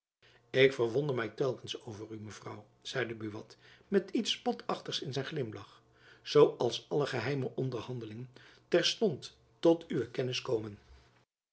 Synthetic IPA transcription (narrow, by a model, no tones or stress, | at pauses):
ɪkfəɹʋɔndəɹmɛjtɛlˠkənsowvəryməv̥rɑw | z̥ɛjdəbyʋɑtmɛtitspɔtʰɑχtəχsɪnzɛjnχlɪmlɑχ | z̥owʔɑlˠsɑləχəɦɛjməʔɔndəɹhɑndəlɪŋəntɛɹstɔntː | ɔtyʋəkɛnɪskowmən